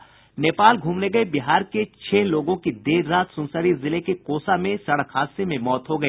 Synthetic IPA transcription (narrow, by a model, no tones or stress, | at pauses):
neːpaːlɡʱuːmneɡɐebɪɦaːɾket͡ʃʰɛːloːɡõkid̪eːɾːaːt̪sʊ̃nsəɾizɪlekekoːsamẽsɐɽəkʰhaːsemẽmɔːt̪ɦoɡɐeː